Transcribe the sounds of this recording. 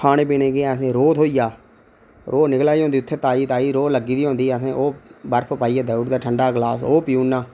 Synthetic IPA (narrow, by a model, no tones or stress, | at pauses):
aːneːpiːneːɡeːɛəsẽːɾoːt̪ɦoːijaː | ɾoːnɪklaːiːɦõːnd̪iːʊt̪ʰːeːt̪aːiːt̪aːiːɾoːləɡiːd̪iːɦõːnd̪iːɛsẽːʔoːbəɾpʰpaːiːaːd̪əːuːʈd̪aːʈʰəɳɖaːɡlaːsoːpɪjuːnːãː